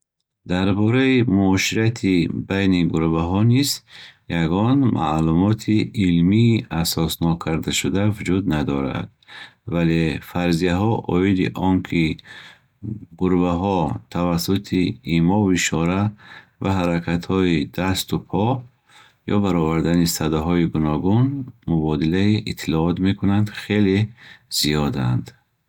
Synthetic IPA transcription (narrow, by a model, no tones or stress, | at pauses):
d̪aɾbɔɾaimuɔʃiɾat̪ʰibajniɡuɾvaɦɔnizjaɡɔnmʔa̰lumɔt̪ʰiilmiːʔasɔsnɔkʰaɾd̪aʃud̪avud͡ʒud̪nad̪ɔɾa̰d̪̥vale̞faɾzijaɦɔʔɔid̪ḭʔɔŋkʰi | ʁuɾvaɦɔt̪ʰavasut̪ʰiimɔviʃɔɾa | vaɦaɾakʰat̪hɔid̪ast̪upʰɔ | jɔ̰baɾɔvaɾd̪anisad̪aɦɔiɡunɔɡunmubɔd̪ilaiʔit̪ʰːilɔɔt̪me̞kʰunand̪χe̞lez̥ijɔd̪a̰nd̪